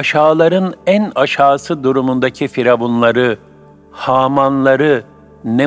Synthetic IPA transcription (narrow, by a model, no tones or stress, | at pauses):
aʃaːlˠaɾɯnænaʃaːsɯd̪uɾumund̪acʰifiɾabunlˠaɾɯ | haːmanlˠaɾɯ | ne